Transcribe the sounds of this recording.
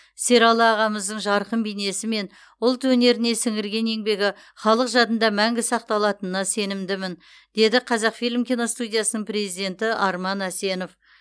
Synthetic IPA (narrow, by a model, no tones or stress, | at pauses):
se̞ɾɑlˠɑːʁɑməzd̪əɴʒɑɾqəmbijne̞sɪme̞n | ʊlˠt̪wɵne̞ɾɪne̞sɪŋɪɾɡʲe̞ne̞ŋbe̞ɡʲɪ | χɑlˠəqʒɑt̪ənd̪ɑmæŋɡʲɪsɑq̚t̪ɑlˠɑt̪ənənɑse̞nɪmd̪ɪmɪn | d̪e̞d̪ɪqʰɑzɑqfijlʲmkʲino̞st̪ud̪ʲijasənəɴpre̞zijd̪e̞nt̪ɪʔɑɾmɑnæse̞no̞f